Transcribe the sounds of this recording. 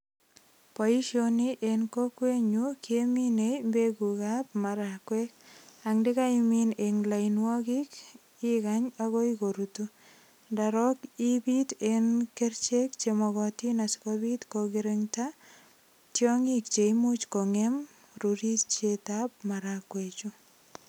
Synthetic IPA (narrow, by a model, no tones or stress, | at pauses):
pɔiʃjoniʔenkokweɲukjeminejmbeɡukap̚maɾakwek̚aŋdɪkaimineŋlainwɔkik | ikaɲaɣɔikoɾutu | ndaɾɔkibitenkert͡ʃekt͡ʃemɔɣɔtinasi̥kɔbitkoɡiɾeŋta | tjɔŋik̚t͡ʃeimut͡ʃkɔŋem | ruɾit͡ʃetap̚maɾakwet͡ʃu